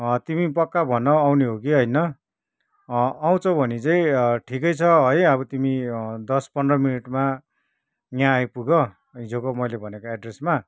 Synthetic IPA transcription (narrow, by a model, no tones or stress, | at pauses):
t̪imipʌkːabʱʌnʌawniɦokiɦʌjnʌ | aw̃t͡sʰʌw̃bʱʌnit͡saĩʈʰikʌjt͡sʰʌɦʌjʌβʌt̪imid̪ʌspʌnd̪rʌminiʈma | ŋjãːjpuɡʌ | id͡zokomʌjlebʱʌnekoeɖresma